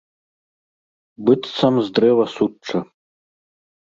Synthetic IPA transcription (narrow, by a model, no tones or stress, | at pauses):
bɨt͡st͡sʰɐmzd̪rɛvɐsuʈ͡ʂʰːɐ